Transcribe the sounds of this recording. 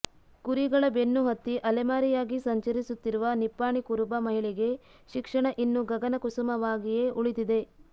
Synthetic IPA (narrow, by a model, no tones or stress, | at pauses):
kuɾiɡɐɭɐbe̞nːuɦɐt̪ːiʔɐlɛmaːɾijaːɡisɐɲt͡ʃɐɾisut̪ːiɾuʋɐnipːaːɳikuɾubɐmɐɦiɭɛɡe̞ | ʃikʂɐɳɐʔinːuɡɐɡɐnɐkusɐmɐʋaːɡije̞ːʔuɭid̪id̪e̞